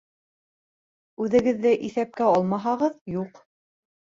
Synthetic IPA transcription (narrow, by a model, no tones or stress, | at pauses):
ʉðɘ̆ɡɘ̆ðːɘʔiθæp̚kæɑlˠmɑɦɑʁɤðjuq